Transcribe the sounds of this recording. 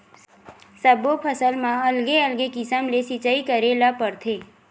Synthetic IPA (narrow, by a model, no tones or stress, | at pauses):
səbopʰəsəlmãɐlɡeəlɡekisəmlesit͡ʃaikəɾelapəɾt̪ʰeː